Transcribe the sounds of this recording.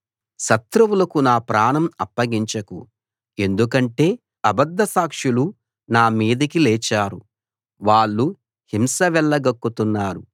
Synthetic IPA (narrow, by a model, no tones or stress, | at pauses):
ʃɐt̪ɾuʋulɐkunaːpɾaːnɐmɐpːɐɡiɲt͡ʃɐkṵ | e̞nd̪ukɐɳʈe̞ː | ɐbɐd̪ːɐsaːkʂulu | naːmiːd̪ɐkilɛːt͡ʃaːɾu | ʋaːɭːu | himsɐʋɛɭːɐɡɐkːut̪unːaːɾu